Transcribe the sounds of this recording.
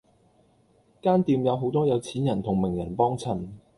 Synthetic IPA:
kaː˥nt̪iː˨˧mjɐ˨˧wɦo˨˥wt̪ɔː˥jɐ˨˧wt͡sʰiː˨˥njɐ˨˩nt̪ʰʊ˨˩ŋmɪ˨˩ŋjɐ˨˩npɔː˥ŋt͡sʰɐ˨˩m

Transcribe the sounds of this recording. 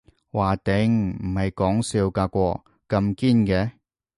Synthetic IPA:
waː˨˩t̪ɪ˨˥ŋm̩˨˩hɐ˨jkɔː˨˥ŋsiː˧wkaː˧kʷɔː˧ | kɐ˧mkiː˥nkɛː˧˥

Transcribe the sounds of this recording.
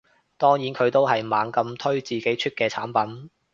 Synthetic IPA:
t̪ɔː˥ŋjiː˨˥nkʰɵ˨˧ɥt̪o˥whɐ˨jmaː˨˧ŋkɐ˧mt̪ʰɵ˥ɥt͡siː˨ke˨˥jt͡ʃʰy˥t̚kɛː˧t͡sʰaː˨˥npɐ˨˥n

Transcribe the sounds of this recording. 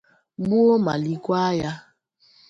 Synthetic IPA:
ɡ͡bu˦o˦ma̰˨li˨kʷa˦ja˦

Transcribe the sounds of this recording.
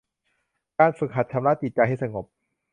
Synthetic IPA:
kaː˧nfɯ˨˥k̚ɦa˨˩t̪̚t͡ɕʰa˧˦mla˦˥˩t͡ɕi˨˩t̪̚t͡ɕa˧jɦa˥˩jsa˧ŋo˨˩p̚

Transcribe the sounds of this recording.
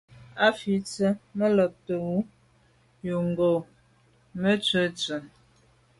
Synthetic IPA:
a˦fi˨˦t͡sə˦mə˦lə˨p̚tə˨wu˦ | ju˨ŋɡo˨ | mə˦t͡sə˦t͡sə˨

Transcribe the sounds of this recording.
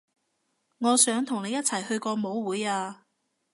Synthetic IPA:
ŋɔː˨˧sœː˨˥ŋt̪ʰʊ˨˩ŋne˨˧jɐ˥t̚t͡sʰɐ˨˩jhɵ˧ɥkɔː˧mo˨˥wwuː˨˥jaː˧

